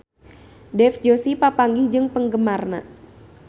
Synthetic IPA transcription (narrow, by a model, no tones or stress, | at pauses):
dɛfd͡ʒosipapaŋɡihd͡ʒɨŋpəŋɡəmarna